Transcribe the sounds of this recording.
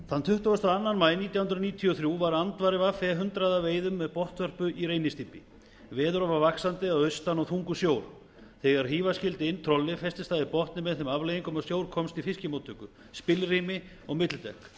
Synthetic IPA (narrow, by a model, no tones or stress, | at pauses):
θanːt̪ʰʏht̪ʏɣʏst̪aanːanmaːjniːt̪jahʏnɾniːt̪ʰiɔθɾjuvaɾant̪vaɾɪvafɛɦʏnt̪ɾaðaveːjðʏmːɛðpɔht̪vœr̥pʏʔiɾeːjnɪst̪iːpɪ | vɛːðʏɾɔvavaksant̪ɪaðœɥst̪anɔɣθuŋkʏsjoːwɾ̥ | θɛɣaɾ̥ɦiːvascɪlt̪ɪɪnːt̪ʰɾɔlːɪfɛst̪ɪst̪aðɪpɔht̪nɪmɛðθɛmavlejiŋkʏmasjoːwɾ̥kʰɔmst̪ifɪscɪmoːt̪ʰʏkʏ | spɪlriːmɪ | ɔɣmɪt̪lɪt̪ɛk